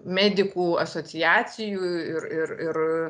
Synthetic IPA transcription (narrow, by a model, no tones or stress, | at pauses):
mʲæːd̪ʲɪkuːɐsoːɪjæːsʲɪjuːɪɾɪrɪɾ